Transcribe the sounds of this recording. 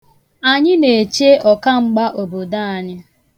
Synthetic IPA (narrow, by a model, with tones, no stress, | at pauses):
a˨ɲɪ˦ne˨t͡ʃe˦ɔ˨ka˦ŋ͡m̩˦ɡ͡ba˦ʔo˨bo˨da˦a˨ɲɪ˦